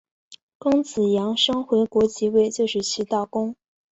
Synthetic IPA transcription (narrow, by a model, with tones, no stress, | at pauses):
kɤ˥ŋt͡sɹ̩˨˩jɑ˧˥ŋʂɤ˥ŋxwe˧˥ɪkwɔ˧˥t͡ɕi˧˥we˥˧ɪt͡ɕjo˥˧ʊʂɻ̩˥˩t͡ɕʰi˧˥t̪a˥˩kʊ˥ŋ